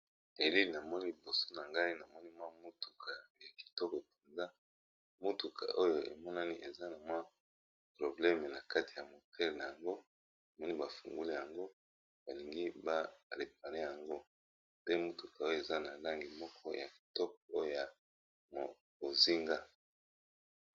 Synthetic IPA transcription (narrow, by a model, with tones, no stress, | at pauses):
e˨li˦li˨na˨mɔ˦ni˦li˨bo˨so̥˦na˨ŋɡa˦i˦na˨mɔ˦ni˦mwa˦mo˦tu̥˨kʰa˨ja˨ki̥˨tɔ˦kɔ˨e˨pe˨nza˦ | mo˦tu˨kʰa̰˨ʔo˦jo˨ʔḛ˨mɔ˦na˦ni˦ʔe˨za˦na˨mwa˦ | pʁo˨blɛ˦me˨na˨ka˦ti̥˨ja˨mo˨tʰɛ˦le˨na˨ja˨ŋɡo˦ | na˨mɔ˦ni˦ba˨fṵ˨ŋɡu˦li˦ja˨ŋɡo˦ | ba˨li˨ŋɡi˦ba˦ʁe˨p̚a˨ʁe˦ja˨ŋɡo˦ | pe˦mo˦tu˨ka˨o˦jo˦˨e˨za˦na˨la˦ŋɡi˨mɔ˦kʰɔ˦ja˨ki̥˨tɔ˦k̚ɔ˨o˦jo˦˨ja˨ | m˨ | bo˨zi˦ŋɡa˦